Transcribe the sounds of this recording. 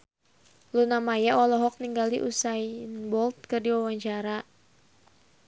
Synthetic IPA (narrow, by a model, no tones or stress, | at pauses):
lunamajaɔlɔɦɔk̚niŋɡaliʔusainbɔlt̪̚kɨrdiwawaɲt͡ʃaɾa